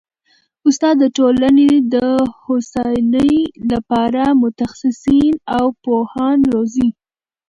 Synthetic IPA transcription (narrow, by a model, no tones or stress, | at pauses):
ʊst̪ɑd̪ːəʈolaned̪əhosɑjnəjlapɑɾamʊt̪axsɪsinawpohɑnɾozi